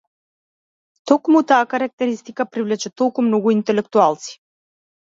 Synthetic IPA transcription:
t̪ɔkmut̪aːkaɾak̚t̪ɛɾist̪ikapɾivlɛt͡ʃɛt̪ɔlˠkumnɔɡuint̪ɛlɛkt̪ualˠt̪si̥

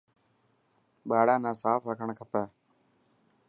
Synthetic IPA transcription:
ɓaːɽaːnãːsaːfɾəkʰəɳkʰəpɛː

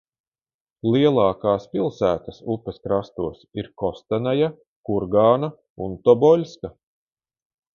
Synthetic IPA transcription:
lˠiɛlˠɑːkaːspʲilˠsæːt̪ɐsupːɐskɾast̪uɔsiɾkɔst̪anaja | kuɾɡaːna | unt̪ɔbɔlʲska

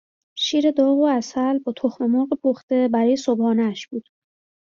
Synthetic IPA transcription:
ʃiːɾe̞d̪ɒːɣoæsælbɒːt̪ʰoxmemoːɣepʰoxt̪e̞bæɾɒːjesobɒːnæʃb̥uːd̪̥

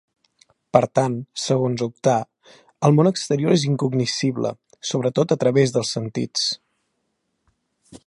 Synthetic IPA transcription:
pəɾt̪ansəɣonzup̚t̪a | əlˠmonəkst̪əɾioɾeziŋkuɡnisiβlə̰ | soβ̞ɾət̪ot̪ət̪ɾəβezðəlˠsənt̪ḭt͡s

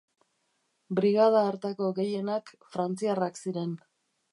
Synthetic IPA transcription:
bɾiɣað̞aːɾt̪ako̞ɣe̞je̞nakfɾant͡siaraksiɾe̞n

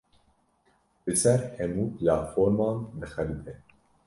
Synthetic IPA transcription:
bɨsɛɾhɛmuːplaːt̪foːɾmɑːnd̪ɨxɛlɨbɛ

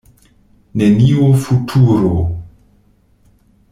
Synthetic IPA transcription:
nɛniwofutʰuɾo

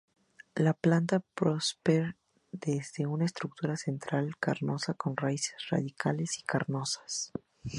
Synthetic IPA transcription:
laplant̪apɾospeɾ | d̪ezðe̞unaest̪ɾuk̚t̪uɾase̞nt̪ɾalkaɾno̞sako̞nraise̥sra̰ðikʰale̞si̥kʰaɾno̞sḁs

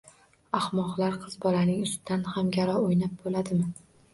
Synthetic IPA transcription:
ahmɒqlˠaɾqʰɨzbɒlanɪŋʊst̪ɪd̪anhamɡʲaɾɒojnap̚bolad̪ɪmɪ

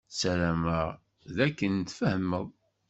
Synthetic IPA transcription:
sælæmæ | ðækːənt̪fəhəmːəðˤ

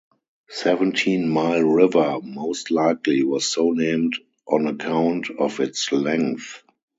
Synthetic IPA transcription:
sɛvə̃ntʰĩːnmaɪlɹɪvə˞moʊstlaɪkliwɔssoʊnẽɪ̃md | ʔɔ̃nəkʰãʊ̃ntʰɔfɪtslɛ̃ŋθ

